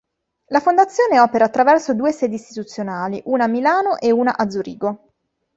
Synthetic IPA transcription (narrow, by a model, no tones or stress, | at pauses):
lafond̪at̪sːjoːneɔːpeɾaːt̪ːɾavɛrsod̪uːesɛːd̪ist̪it̪ut̪sːjonaːliʔuːnaːmːilaːnoʔeuːna̰ʔad̪zːuɾiːɡo